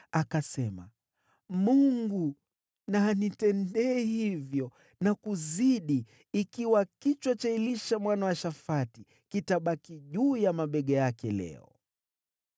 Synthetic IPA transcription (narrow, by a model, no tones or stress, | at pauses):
akasɛma̰ | muŋɡu | naːnitɛndɛːhivjɔ | nakuziɗi | ikiwakit͡ʃwat͡ʃailiʃamwanawaʃafati | kitaɓakiʄuːjamaɓɛɠɛjakɛlɛ̰ɔ̰